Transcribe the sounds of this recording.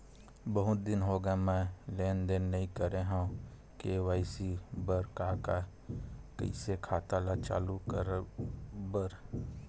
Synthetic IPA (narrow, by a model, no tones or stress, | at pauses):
bəɦʊt̪̚d̪ɪnɦoːɡamɛ̃ːleːnd̪enːəɦĩkəɾeɦã | keʋaːɪsibəɾkaːka | kə̰isekʰaːt̪aːlat͡ʃa̰ːlukəɾ | bəɾ